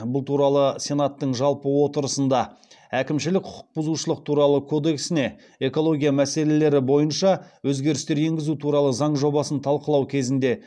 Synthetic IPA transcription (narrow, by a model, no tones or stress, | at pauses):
bʊlˠt̪ʰuɾɑlˠəsʲe̞nɑt̪ːəɴʒɑlˠpəwo̞t̪əɾəsənd̪ɑ | ækʲɪmʃɪlɪk̚ʲqʰʊ̥qʰʊ̥q̚bʊzuʃəlˠəq̚t̪ʰuɾɑlˠəkʰo̞d̪e̞ksɪne̞ | e̞ko̞lˠo̞ɡʲijamæse̞le̞le̞ɾɪbo̞jənʃɑwɵzɡʲe̞ɾɪst̪e̞ɾje̞ŋɡʲɪzut̪ʰuɾɑlˠəzɑɴʒo̞bɑsənt̪ʰɑlˠqəlˠɑwkʲʰe̞zɪnd̪e̞